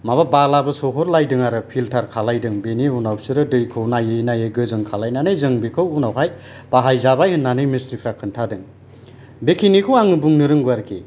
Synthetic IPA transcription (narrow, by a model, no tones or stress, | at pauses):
mababalabɯsɔɦɔɾlajdɯŋaɾɯpʰiltʰaɾkʰalajdɯŋbeniunaw̚sɯɾɯdɯjkʰɯwnajɯjnajɯɡɯzɯŋkʰalajnanɯjzɯŋbikʰɯwunawɦaj | b̥aɦajzabajhɯnːanɯjmistɾipʰɾakʰɯntʰadɯŋ | bekʰinikʰɯwaŋɯbuŋnɯɾɯŋɡaɾkʰḭ